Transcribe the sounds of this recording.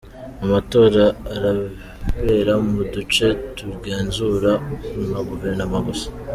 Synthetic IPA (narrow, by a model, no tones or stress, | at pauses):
amato̞ːɾaːɾa | βe̞ɾamudut͡ʃe̞tuɾɡe̞ːnzuɾanaɡoveɾnamaɡosḁ